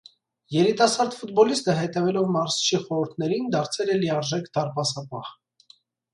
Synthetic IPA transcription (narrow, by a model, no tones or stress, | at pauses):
jɛɾit̪ɑsɑɾd̪fut̪̚bɔlist̪əɦɛt̪ɛvɛlɔvmɑɾst͡ʃʰiχɔɾuɾt̪ʰnɛɾind̪ɑɾt͡sʰɛlɛliɑɾʒɛkʰd̪ɑɾpɑsɑpɑh